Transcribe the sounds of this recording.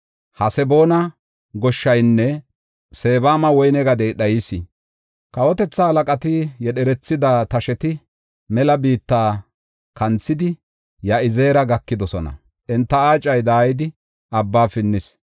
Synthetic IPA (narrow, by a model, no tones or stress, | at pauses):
hɐsɛbo̞ːnɐ | ɡɔʃːɐjnːɛ | se̞ːbaːmɐwɔjnɛɡɐd̪ɛjɗɐjɪsɪ | kɐwɔt̪ɛt͡sːɐhɐlɐkʼɐt̪ɪjɛɗɛɾɛt͡sːɪd̪at̪ɐʃɛt̪ɪ | mɛlɐbiːt̪ːaː | kɐnt͡sːɪd̪ɪ | jɐɪze̞ːɾɐɡɐkːɪd̪ɔsɔnɐ̰ | ʔɛnt̪ːɐaːt͡ʃʼːɐjd̪aːjɪd̪ɪ | ʔɐbːaːfɪnːɪs